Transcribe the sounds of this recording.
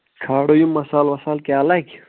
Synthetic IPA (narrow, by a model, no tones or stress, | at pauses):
kʰaːɽojumːɐsaːlwɐsaːlkeɐlɐɡ